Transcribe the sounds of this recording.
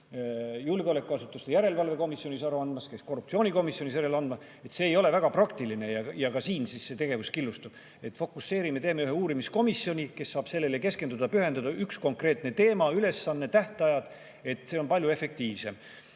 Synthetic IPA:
julɡeo̞le̞kːˑuɑsut̪ːˑust̪e̞jæɾe̞lvɑlve̞ko̞misjo̞nisɑɾuɑnd̪mɑske̞sko̞rːup̚tsio̞nʲiko̞misjo̞niseɾelɑnd̪mɑ | e̞t̪se̞ːjo̞le̞væɡ̥ɑprɑkt̪iline̞jɑjɑkɑsiːnsisːe̞t̪e̞ɡ̥e̞vuskilːust̪ub̥ | e̞t̪ːˑfo̞kːˑusːe̞ːɾime̞t̪e̞ːmeyɦeuːɾimisko̞misjo̞nʲike̞sːɑːb̥se̞lːe̞leke̞ske̞nd̪ud̪̥ɑpyɦe̞nd̪ɑd̪ɑʔyksko̞ŋkre̞ːt̪ne̞t̪e̞ːmɑyle̞sːɑnːet̪æht̪ɑjɑd̪̥ | e̞t̪ːˑse̞o̞npɑlʲjue̞fe̞k̚t̪iːvse̞m

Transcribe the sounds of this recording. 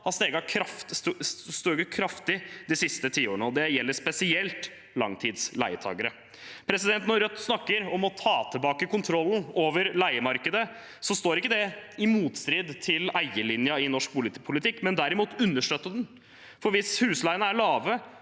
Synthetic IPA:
ɑst̪eːɡɑkʰɾɑf | st̪uɡəkʰɾɑft̪ɪd̪ɪsɪst̪ət̪ʰiːoːəɳəɔd̪ɛjɛlːəspɛsɪɛlt̪ | lɑ̰ŋt̪ʰiːd̪slæ̰ɪət̪ʰɑ̰ːɡəɾə | pʰɾɛsɪd̪ɛnt̪nɔɾœt̪ːsnɑkːəɾɔmɔt̪ʰɑːt̪ʰəlbɑːkəkʊnt̪ʰɾɔln̩oːʋəɾlæɪəmɑɾkəd̪ə | sɔst̪oːɾɪkːəd̪ɛɪmuːt̪st̪ɾiːd̪t̪ʰɪlæɪəlɪnjɑɪnɔʂk̚pʰʊlpʰʊlɪt̪ʰɪkːmɛnd̪æɾɪmuːt̪ʉnːəʂʈøːt̪ːəd̪ɛn | fɔɾʋɪshʉːslæɪənəæɭɑːʋə

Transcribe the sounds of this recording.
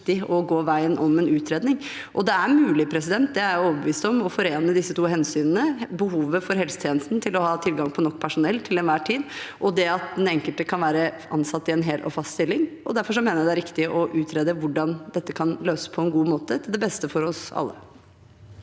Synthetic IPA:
t̪ɪɔɡoːʋæɪənʔɔmɛnʉːt̪ʰɾeːd̪nɪŋ | ʔɔd̪ɛæɾmʉːlɪpʰɾɛs̬ɪd̪ɛnt̪̚d̪ɛæɾɔːʋəbəʋiːst̪ɔmɔfɔɾeːnəd̪ɪsːət̪uːɦɛnsyːnənəbəɦuːʋəfɔɾɦɛlsə̥t̪ʰjeːnəst̪n̩t̪ʰɪlɔhɑːt̪ʰɪlɡɑŋpʰɔnɔkːpʰæʂʊnɛlt̪ʰɪlɛnʋæːʈʰiːd̪ʔɔd̪ɛɑt̪̚d̪ɛnɛŋkəlt̪əkʰɑnʋæːɾə | ɑ̰nsɑt̪ːɪɛnɦeːlʔɔ̰fɑst̪st̪ɪlːɪŋʔɔd̪æɾfɔʂɔmeːnəɾɾd̪ɛæɾɪkt̪ɪʔɔʔʉːt̪ʰɾeːd̪əʋʊɖɑnd̪ɛt̪ːəkʰɑnløːsə̥pʰɔɛnɡuːmoːt̪ət̪ʰɪld̪ɛbɛst̪əfɔɾɔsɑ̰lːə̰

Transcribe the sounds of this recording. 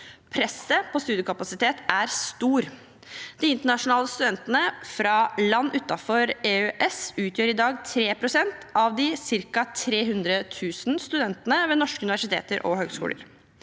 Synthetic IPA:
pʰɾɛsəpʰɔst̪ʉːd̪ɪʊkʰɑpɑsɪt̪ʰeːt̪æɾst̪uːɾ | d̪̥ɪɪnt̪əɳɑʂʊnɑːləst̪ʉd̪ɛnt̪ənəfɾɑlɑnːʉt̪ːɑfɔɾeøʔɛsʉːt̪ʰjøːɾɪd̪ɑːɡt̪ʰɾeːpʰɾʊsɛnt̪ɑʋd̪ɪsɪɾkɑt̪ʰɾeːɦʉnd̪ɾət̪ʰʉːsnst̪ʉd̪ɛnt̪ənəʋeːnɔʂkəʉnɪʋæʂɪt̪ʰḛːt̪əɾʔɔ̰ɦøːɡskṵːlə̰ɾ

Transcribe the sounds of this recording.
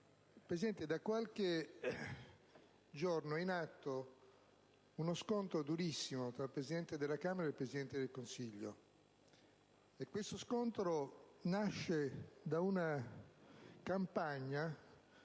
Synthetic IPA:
ilpɾesid̪ɛnt̪ed̪akwalk̟e | d͡ʒornoinat̪ːo | unoskont̪ɾod̪uɾisːimot̪ɾalpɾezid̪ɛnt̪ed̪elːakaːmeɾaelpɾesid̪ɛnt̪ed̪elkonsiʎːo̰ | ekːwest̪oskont̪ɾonaʃːed̪auna | kampaɲːa

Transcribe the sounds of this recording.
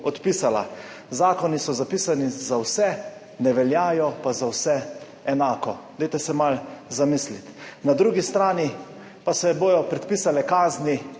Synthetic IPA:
ɔt̪piːsala̰ | zaːkɔnisɔzapiːsanizawsɛ | nɛʋɛljaːjɔpazawsɛ | ɛnaːkɔd̪ɛjt̪ɛsɛmalzamislit̪nad̪ɾuːɡist̪ɾaːni | pasɛboːjɔpɾɛt̪piːsalɛkaːzni

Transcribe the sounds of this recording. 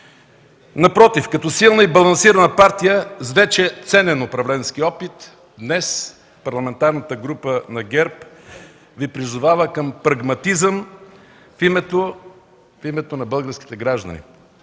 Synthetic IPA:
nɐpɾɔt̪ifkɐt̪ɔsilˠnəibɐlˠɐnsiɾənəpaɾt̪ijəzvɛt͡ʃɛt̪sɛnɛnʊpɾɐvlɛnsk̟iɔpit̪ | d̪nɛs | pɐɾlˠɐmɛnt̪aɾnət̪əɡɾupənɐɡɛɾp | vipɾizʊvavəkəmpɾɐɡmɐt̪izəm | fimɛt̪o | fimɛt̪onɐbəlˠɡəɾsk̟it̪ɛɡɾaʒd̪ɐ̰nḭ

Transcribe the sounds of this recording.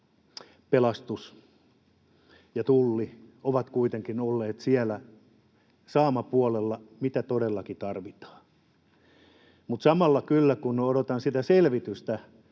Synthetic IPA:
pelɑst̪us | jɑt̪ulːioʋɑt̪kuit̪eŋkinolːeːt̪siælæ | sɑːmɑpuolelːɑmit̪æt̪odelːɑkit̪ɑrʋit̪ɑ̥ː | mut̪sɑmɑlːɑkylːækunnodot̪ɑnsit̪æselʋit̪yst̪æ

